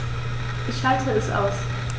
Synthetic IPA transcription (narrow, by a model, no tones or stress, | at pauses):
ʔɪçhaltʰəɛsʔa̰ʊs